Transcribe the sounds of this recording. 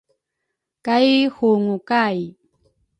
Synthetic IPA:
kajhuŋukaj

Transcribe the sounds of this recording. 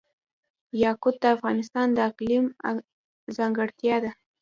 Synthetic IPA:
jɑkʊb̪̚d̪əafɣɑnɪst̪ɑnd̪əaqlim | zɑŋɡaɽt̪jɑd̪a

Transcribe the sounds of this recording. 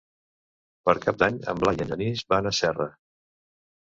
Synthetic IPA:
pəɾkap̚d̪aɲə̰mblajəʎənizbanəsɛrə

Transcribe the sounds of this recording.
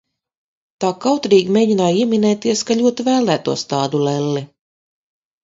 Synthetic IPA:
t̪aːkawt̪ɾiːɡmeːɟinaːjiɛmʲinɛːt̪iɛskaʎʲuɔt̪ivæːlˠæːt̪ṵɔst̪aːd̪ulɛlːi

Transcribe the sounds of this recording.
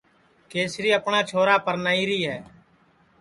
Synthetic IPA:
keːsɾiːəpɳaːt͡ʃʰoːɾaːpəɾnaːiːɾiːɦɛː

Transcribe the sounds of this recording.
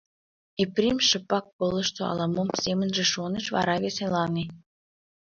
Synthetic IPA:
eprʲimʃəpɑk̚polə̆ʃt̪oɑ̰lɑmomsemənʒĕʃonəʃβɑ̰ɾɑβeselɑne

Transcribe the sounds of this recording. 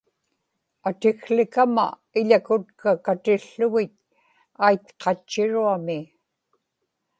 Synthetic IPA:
at̪ɪɣlɪkama̰ | ɪʎakʊt̪kakat̪ɪɬːʊɣɪt̪̚ | ajt̪qʰɑt͡ʃːɪɻuamɪ

